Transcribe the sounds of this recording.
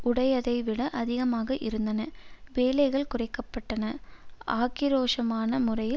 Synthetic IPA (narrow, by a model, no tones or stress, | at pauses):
ʔʊɽɐjɐðɐɪʋɪɽɐʔɐðɪɣɐmaːɣɐʔɪɾɯnd̪ɐnɐʋeːlɐɪɣɐɭkʊrɐɪkːɐpːɐʈːɐnɐʔaːkɪɾoːʂɐmaːnɐmʊrɐjɪ